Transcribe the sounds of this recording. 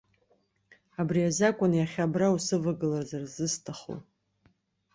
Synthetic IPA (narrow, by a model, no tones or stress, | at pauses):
abriazakʷʼʊnjaχʲabrausɨvaɡɨlarzarzɨstʰaχo̰